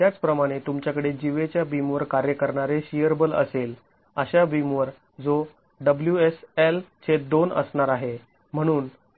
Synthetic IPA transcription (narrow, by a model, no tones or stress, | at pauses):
t̪jat͡spɾəmaɽ̃et̪umt͡ɕjakəɽed͡ʑiʋet͡ɕjabimʋəɾkaɾjəkəɾɳaɾeɕijəɾbələ̰sel | əɕabimʋəɾ | d͡zo | ɖəbljueselt͡ɕʰet̪̚d̪onə̰sɳaɾaɦe | m̤əɽ̃uːn